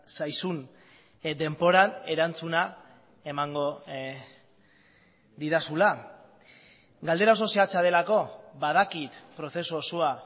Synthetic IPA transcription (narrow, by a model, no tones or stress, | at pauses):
sajsun | d̪e̞mpo̞ɾane̞ɾant͡suna | e̞maŋɡo̞ | d̪iðasula | ɡald̪e̞ɾaos̬o̞siat͡saðe̞lako̞βað̞akit̪pɾo̞θe̞suosoa